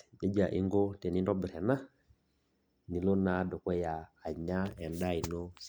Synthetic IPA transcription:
ʄe˦d͡ʒa˨ʔḭ˦ŋɡɔ˦tɛ˨ni˦ndɔ˦bi˨ɾɛ˨na˦ | ni˨lɔ˦na˦dɔ˨kɔ˦jaː˨ɲa˦ɛ˨nda˦i˨nɔ˦s

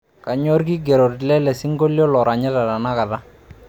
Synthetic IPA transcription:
ka˨ɲɔ˦ɾki˦ɡɛ˨ɾo˨ɾlɛ˦lɛ˨si˦ŋɡo˦ljɔ˦lɔ˨ɾa˨ɲɛ˦ta˨ta˨na˦ka˨ta˦

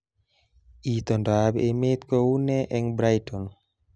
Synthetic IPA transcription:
it̪ɔ˨ndabeme˦t̪kɔ˦wu˦nɛ˦ʔɛ˦ŋbɾa˦jtʰɔ˨n

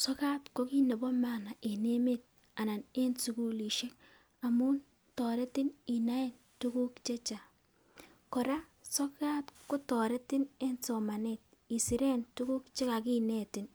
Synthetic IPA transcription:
sɔ˦ka˦tkɔ˦ki˦ne˨bɔ˦ma˦˨na˨ʔe˨ne˦me˦˨t̚ | a˨na˨ne˦nsu˨ku˦li˨ʃe˦k̚ | a˨mu˦n | tɔ˨ɾɛ˦tɪ˦ni˨na˦e˦n | tu˦ku˦kt͡ʃe˦t͡ʃa˨ | kɔ˨ɾa˦sɔ˦ka˦tkʊ˦tɔ˨ɾɛ˦tɪ˦ne˦nsɔ˨ma˨ne˨t̚ | i˨si˨ɾɛ˦ntu˦ku˦kt͡ʃe˦ka˨ki˦nɛ˦˨tɪ˨n

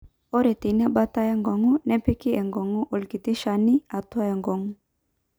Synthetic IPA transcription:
o˦ɾe˨ti˨n˦a˦ba˦ta˦jɛ˦ŋɡɔ˨ŋɔ˦nɛ˦pɛ˦ki˦ɛ˨ŋɡɔ˨ŋɔ˦ʔo˨lki˨t̪i˦ʃa˨ni˦a˨twa˦ɛ˨ŋɡɔ˨ŋɔ˦

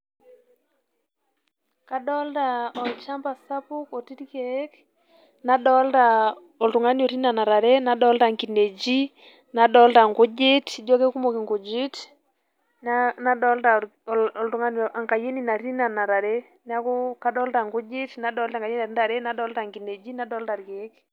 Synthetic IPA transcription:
ka˨ɗɔ˦lta˨ɔ˨lt͡ʃa˦mba˨sa˦pu˦kɔ˨ti˦ɾi˦kɛ˨˦k | na˦ɗɔ˦lta˨ | ɔ˨ltu˨ŋa˦ni˦ɔ˨ɾi˦na˨na˨ɾa˨ɾɛ˦na˦ɗɔ˦lta˨ŋki˨ne˨d͡ʒi˦ | na˦ɗɔ˦lta˨ŋɡu˦d͡ʒɪ˦ti˦d͡ʒɔ˦kɛ˦ku˦mɔ˨ki˨ŋɡu˨d͡ʒi˦t | na˦na˦ɗɔ˦lta˨ | ɔ˨ltu˨ŋa˦nɔʔa˨ŋka˨je˦ni˦˨na˨ɾi˦na˨na˨ɾa˨ɾe˦ | na˦ku˦ka˨˦ɗɔ˦lta˨ŋɡu˦d͡ʒi˦tna˦ɗɔ˦lta˨ŋɡa˨je˦na˨ɾi˦da˨ɾɛ˦na˦ɗɔ˦lta˨ŋɡi˨ne˨d͡ʒi˦na˦dɔ˦lta˨ɾkɛ˨˦k

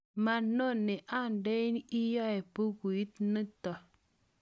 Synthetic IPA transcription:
ma˨nːo˦˨nːe˨ʔa˦˨nde˦i˦n˦i˦ja˦e˨pu˦ku˨ji˦tnə˦ta˨

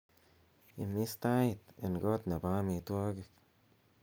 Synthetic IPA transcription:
ḭ˧mi˦st̪a˦ji˧t̪e˨nɡo˦t̪na˨ba˦mi˧t̪wo˦ɡe˧k

